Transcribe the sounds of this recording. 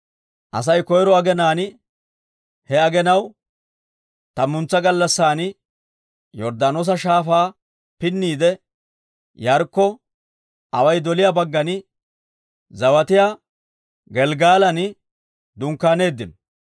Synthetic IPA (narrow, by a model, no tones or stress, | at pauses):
ʔɐ̰s̬ɐjkɔjɾɔɐɡɛnaːnɪ | hɛɐɡɛnɐw | t̪ɐmʊnt͡sːɐɡɐlːɐsːaːnɪ | jɔɾd̪anoːs̬ɐʃaːfaː | pɪnːiːd̪ɛ | jɐɾkːɔ | ʔɐwɐjd̪ɔlɪjabɐɡːɐnɪ | zɐwɐt̪ɪjaː | ɡɛlɡaːlɐnɪ | d̪ʊŋkːaːne̞ːd̪ːɪnɔ